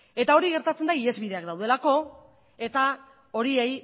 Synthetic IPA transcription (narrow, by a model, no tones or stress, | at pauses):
e̞t̪ao̞ɾiɣe̞ɾt̪at͡send̪aie̞zβiðe̞akd̪awðe̞lako̞ | e̞t̪a | o̞ɾie̞j